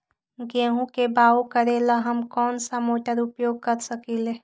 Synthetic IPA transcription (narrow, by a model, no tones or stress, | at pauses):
ɡeɦũkebaokəɾeləɦəmkɔːnsəmoʈəɾupjoɡ̚kəɾsəkile